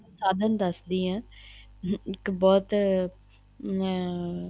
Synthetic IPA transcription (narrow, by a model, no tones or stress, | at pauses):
saːd̪ənd̪əsd̪iːãː | ɪkbɔːt̪